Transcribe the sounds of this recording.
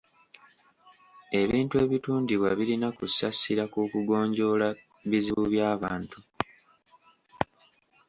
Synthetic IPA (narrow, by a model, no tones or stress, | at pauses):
e̞βiːntue̞ːβituːndiβwaβilinakusasiɾakukuɡo̞ːɲɟo̞ːla | βiziβuβjaːβaːntu